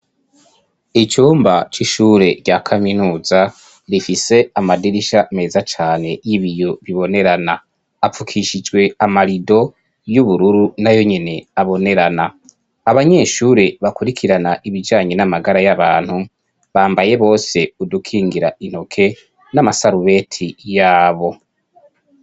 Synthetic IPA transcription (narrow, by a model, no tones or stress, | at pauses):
it͡ʃuːmbat͡ʃiʃuːɾe̞ɟakʰaminuːza | ɾifise̞amadiɾiʃame̞ːzat͡ʃaːne̞jiβijo̞βiβo̞ne̞ɾanaː | fukʰiʃid͡ʒɡwe̞amaɾido̞ | juβuɾuɾunajo̞ɲene̞aβo̞ne̞ɾana | aβaɲe̞ːʃuɾeβakuɾikʰiɾanaʔiβid͡ʒaːɲe̞namaɡaɾajaβaːn̥hu | βaːmbaje̞βo̞ːse̞udukʰiːŋɡiɾa̰in̥ho̞kʰe̞ | namasaɾuβe̞ːtʰijaːβo̞